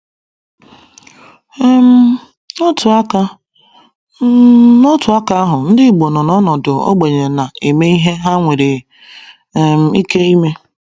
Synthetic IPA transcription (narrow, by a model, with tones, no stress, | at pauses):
m̩˦ | no˦tʰʊ˨a˦ka˦ | no˦tʊ˨a˦ka˦a˦ɦʊ˨n̩˦dɪ˦˨ɡ͡bo˨nɔ˨nɔ˦nɔ˨dʊ˨o̰˦ɡ͡be˨ɲe˨na˨e˨me˦i˦ɦe˦ɦa˦ŋʷe˨ɾe˨ | m̩˨i˦ke˦i˦me˦